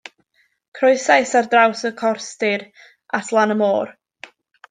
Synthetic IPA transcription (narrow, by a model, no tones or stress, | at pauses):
kʰrʊɨsajsardrawsəkʰɔrstɪɾ | atʰlˠanəmoːr